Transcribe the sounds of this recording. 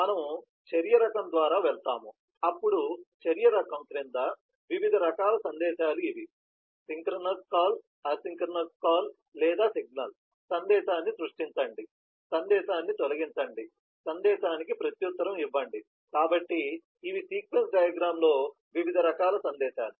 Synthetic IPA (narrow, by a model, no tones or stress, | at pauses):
mɐnɐm | t͡ʃɐɾijɐɾɐkɐmd̪ʋaːɾaːʋɛɭt̪aːmu | ɐpːuɽut͡ʃɐɾijɐɾɐkɐmkɾind̪ɐ | ʋiʋid̪ʱɐɾɐkaːlɐsɐnd̪ɛːʃaːluiʋi | siŋkɾɐnɐskaːl | ɐsiŋkɾɐnɐskaːl | lɛːd̪aːsiɡ̚nɐl | sɐnd̪ɛːʃaːnːisɾuʂʈint͡ʃɐɳɖi | sɐnd̪ɛːʃaːnːit̪olɐɡint͡ʃɐɳɖi | sɐnd̪ɛːʃaːnik̬ipɾɐt̪jut̪ːɐɾɐmiʋːɐɳɖi | kaːbɐʈːiː | ʋisiːkʋensɖɐːjaɡɾaːmlo̞ː | ʋiʋid̪ʱɐɾɐkaːlɐsɐnd̪ɛːʃaːlu